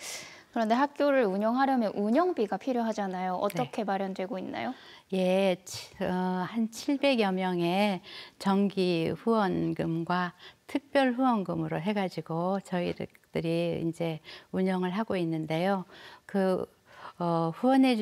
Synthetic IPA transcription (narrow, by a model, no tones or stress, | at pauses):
kɯɾʌnde̞ɦak̚k͈joɾɯɾuɲʌŋɦaɾjʌmjʌnʔuɲʌŋbiɡapʰiɾjoɦad͡ʑanajoʔʌt͈ʌkʰe̞maɾjʌndwe̞ɡoinːa̰jo | je̞t͡ɕʰʌhant͡ɕʰiɭbe̞ɡjʌmjʌŋe̞t͡ɕʌŋɡiɸuwʌnɡɯmɡwatʰɯk̚p͈jʌɭɸuwʌnɡɯmɯɾoɦe̞ɡad͡ʑiɡot͡ɕʌiɾ | tɯɾiḭnd͡ʑe̞uɲʌŋɯɭɦaɡoinːɯnde̞jokɯ | ʌɸuwʌnɦe̞